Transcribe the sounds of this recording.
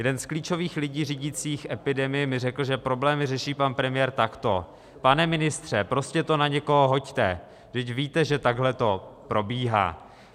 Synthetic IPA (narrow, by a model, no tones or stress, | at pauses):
jɛdɛnskliːt͡ʃo̞viːxlɪɟiːriɟɪt͡siːxʔɛpɪdɛmɪjɛmɪrɛkl̩ʒɛpɾo̞blɛːmɪrɛʃiːpanpɾɛmɪjɛːɾt̪akt̪o̞ | panɛmɪnɪst̪r̥ɛpɾo̞scɛt̪o̞naɲɛko̞ɦoɦo̞ct̪ɛ̰ | dɪcviːt̪ɛʒɛt̪aɡɦlɛt̪o̞pɾo̞biːɦa̰ː